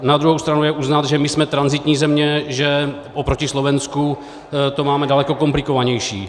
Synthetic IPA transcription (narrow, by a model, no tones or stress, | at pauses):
nad̪ɾuɦowst̪ɾanujɛʔuznat̪ʒɛmɪsmɛt̪ɾanzɪt̪ɲiːzɛmɲɛʒɛ | ʔopɾocɪslovɛnsku | t̪omaːmɛdalɛko̞ko̞mplɪkovaɲɛjʃḭː